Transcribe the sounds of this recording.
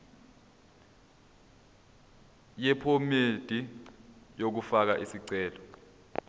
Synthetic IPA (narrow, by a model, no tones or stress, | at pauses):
jɛpʰomed̥ʱi | jok̬ufak̬aʔisiǀɛːlɔ